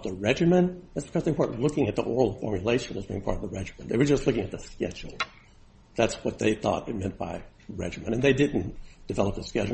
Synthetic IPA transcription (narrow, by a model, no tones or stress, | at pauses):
ðəɹɛd͡ʒɨmɨ̃nðætsb̥ɨ̥kʰʌzðiɨ̃mʰpɔɹʔn̩lʊkɪ̃ŋɨt̪̚ðḭʔɔ̰ɹl̩ˠfɔ̰ɹmjɨleɪʃɨ̃n̩wʌzbĩɪ̃ŋpʰɑ̰ɹɾʌvðəɹɛd͡ʒɨmɨ̃nðeɪwə˞d͡ʒʌstˡlʊkɪ̃ŋɨt̪̚ðɨskɛ̰d͡ʒl̩ˠ | ðætswʌt̪̚ðeɪθɔ̰ɾɨt̚mɛ̃nb̥a̰ɪ | ɹɛ̰d͡ʒɨmɨ̰̃ɾ̃ɨ̃nðeɪdɪdⁿn̩d̥ɨvɛlˠəp̚ðɨskɛd͡ʒ